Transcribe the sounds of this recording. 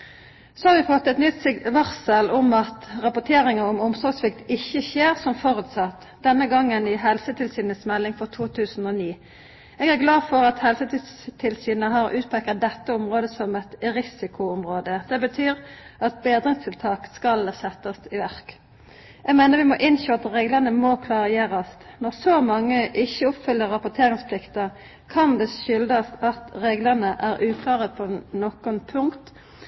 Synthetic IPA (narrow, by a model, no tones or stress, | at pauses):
sɔːhɑːɾʋɪfɔt̪ːɛt̪nʏt̪sɪɡʋɑʁsəlɔmɑt̪ʁɑpʊt̪ʰeːʁɪŋəɔmʊmsɔʁɡsʋɪk̚t̪ɪçːəçeːʁsɔmfɔʁʉt̪sɑt̪ | d̪̥ɛnːəɡɑŋːənɪɦɛlsət̪ʰɪlsyːnəsmɛlːɪŋfɔʁt̪ʰuːt̪ʰʉːsn̩oːniː | eːɡæʁɡlɑːfɔʁɑt̪hɛlsət̪ʰist̪ʰɪlsyːnəɦɑʁʉːt̪̚pʰɛkːɑt̪̚d̪ɛt̪ːəʊmʁoːd̪əsɔmɛt̪ʁɪsɪkʰʊɔmʁoːd̪əd̪̥ɛbət̪ʰyːʁɑt̪̚beːd̪ʁɪŋst̪ʰɪlt̪ʰɑːkskɑlsɛt̪ːɑsɪʋæʁk | ʔɛɡmeɪnəʁʋɪmɔʔɪnʃoːɑt̪ʁeːɡləʁnəmɔkʰlɑːʁəjeːʁɑst̪nɔʁsɔmɑŋːəʔɪçːəɔpfʏlːəʁɑpʊt̪ʰeːʁɪŋspʰlɪkt̪ə | kʰɑnd̪ɛʃʏld̪əst̪ɑt̪ʁeːɡləʁnəʔæʁʉːkʰlɑːʁəpʰɔnɔkʊnpʰʊŋkt̪